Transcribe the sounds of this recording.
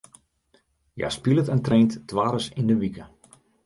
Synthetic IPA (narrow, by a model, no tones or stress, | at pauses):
ja̰spilˠətəntreːntːʋaːɾəsindəʋikə